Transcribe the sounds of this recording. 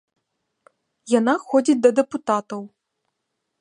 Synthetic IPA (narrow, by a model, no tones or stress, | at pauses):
janaxɔd͡zʲid͡zʲd̪ɐd̪ɛput̪at̪ɐw